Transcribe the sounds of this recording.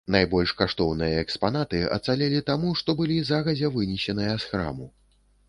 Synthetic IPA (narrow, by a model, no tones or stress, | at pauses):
najbɔlʲʂkaʂt̪ɔwnɨjɐɛkspan̪at̪ɨɐ̰t̪salʲɛlʲit̪amuʂt̪ɔbɨlʲizaɣɐzʲɛvɨnʲiɕʲɛnɨjɐsxɾa̰mu